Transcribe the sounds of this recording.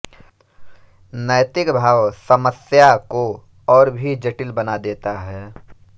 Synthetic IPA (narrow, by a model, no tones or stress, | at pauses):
nəjt̪ɪkbʱaːwsɐməsjako | ɔːɾbʱid͡ʒəʈɪlbɐnad̪eːt̪aɦɛː